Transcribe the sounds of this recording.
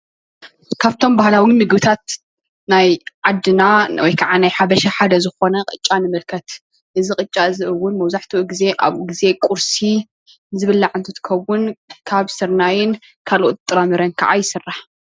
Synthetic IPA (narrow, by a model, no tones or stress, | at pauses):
kʰaβt̪ʰo̞mbahlawimɨɡbɨt̪ʰat̪̚ | najʕad̪ːɨnawɔjkʰaʕanajħabɐʃaħad̪ɐzɨxo̞nɐqʼɨt͡ʃʼːanɨmɨlkʰɐt̪ | ʔɨzɨkʼɨt͡ʃʼːaɨzɨʔɨwːʊnmɐwzaħt̪ʰuʔɡize̞ʔa̰βɡize̞kʼuɾsi | ɨzɨβɨlːaʕɨnt̪ʰut̪kʰɐwːʊnkʰaβsɨɾnajɪn | kʰalʔot̪̚t̪ʼɨɾamɨɾɐnkʰa̰ʕajɪsɨrːaħ